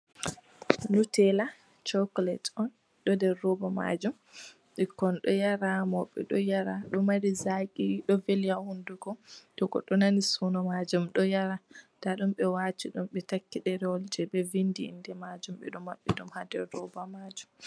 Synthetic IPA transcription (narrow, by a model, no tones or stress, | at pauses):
nutɛla | t͡ʃɔklɛtɔn | ɗɔdɛːɔbama̰d͡ʒum | ɗɛkɔnɗɔjaɾamɔɓːɛ̰ɗɔjaɾaɗɔmaɾizakiɗɔveljahunduɡɔtɔkɔ̰ɗɔnanisunɔmad͡ʒumɗɔjaɾataɗumɓɛwat͡ʃiɗumɓɛtakːiɗɛɾɛɔld͡ʒɛbɛvindiḭndɛmad͡ʒumɓɛ̰ɗumaɓːɛɗumhadɛɾːɔbamad͡ʒum